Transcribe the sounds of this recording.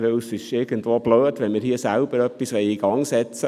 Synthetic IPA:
ʋewsɪʃɪɾɡ̥əntʋoːb̥løːdʋɛnmɪːɾhiːsælb̥əɾœpːisʋɛɪiɡ̥ɑŋsɛt͡sə

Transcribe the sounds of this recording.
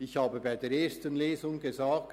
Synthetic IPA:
ɪçhaːbəbaɪdeːɐeːɐstənleːzʊŋɡezaːk̚t

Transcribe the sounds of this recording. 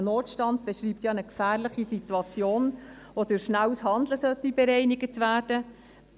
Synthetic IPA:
noːtʃtɑndb̥ɛʃɾiːpt̪jɑnəkfæːɾlɪχisit̪uɑt͡sjoːn | ʋod̥ʉɾʃnæwsɦɑnd̪ləsœtːibɛɾɛɪnɪɡətʋæːɾd̥ə

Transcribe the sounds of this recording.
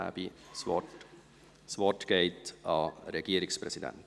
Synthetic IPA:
æ̰bisɔ | svɔtɡ̥eɪtɑɾɛɡ̥iːɾɪksprɛsidɛ̰nt

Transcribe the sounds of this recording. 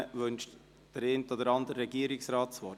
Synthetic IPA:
ʋønʃt | d̥əɾent̪ɔd̪əɾɑnd̪əɾːɛɡiəɾɪksɾɑːtsʋɔ

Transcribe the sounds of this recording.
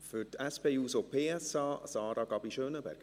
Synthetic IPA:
fʏtɛspeːuːsopʰeːɛsɑːsɑːɾɑɡɑbiʃøːnəbɛ̰ɾɡ̥

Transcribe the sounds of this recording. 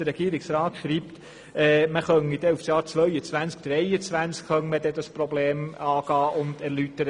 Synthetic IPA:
əɾɛɡ̥iːɾɪksɾɑːt̪ʃɾiːpt | ɛːməχœnid̥̪ɛufsjɑːɾt͡sʋœʏət͡sʋænsk̚d̥ɾɛɪət͡sʋænskχœnməd̪ɛdɑspɾɔbleːmɑːɡ̥ɑːʔʊnd̥æɾlytəɾə

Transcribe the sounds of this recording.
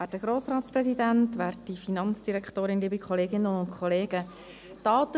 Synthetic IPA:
æːdəɡ̥ɾoːsɾɑːt̪sprɛsidæntʋæːɾtifinɑnt͡sd̥iɾɛkχtoːɾɪnliːbikʰχɔleːɡɪnːəʊntkʰχɔleːɡ̥ə | tɑːt̪ə

